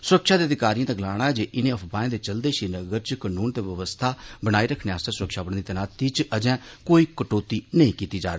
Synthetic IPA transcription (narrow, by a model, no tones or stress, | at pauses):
sʊɾəkʃaːd̪eiːəd̪ɪkaːɾijãːt̪aːɡəlaːɽ̃aːɛːd͡ʒeːʔɪnẽːəfʰbaːẽːd̪eːt͡ʃəld̪eːʃiːnəɡəɾt͡ʃkənuːnt̪eːʋəʋəst̪ʰaːbəɽaːiːɾəkʰːnẽːaːst̪aːsʊɾəkʃaːbəɽ̃d̪iːt̪ənaːt̪iːt͡ʃəd͡ʒɛ̃ː | koːiːkəʈoːt̪iːnəĩːkiːt̪iːd͡ʒa̰ːɾeː